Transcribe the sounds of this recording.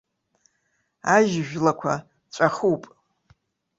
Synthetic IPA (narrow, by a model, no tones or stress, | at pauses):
aʒʒᶣlakʷʰa | t͡ʃʷʼaχupʼ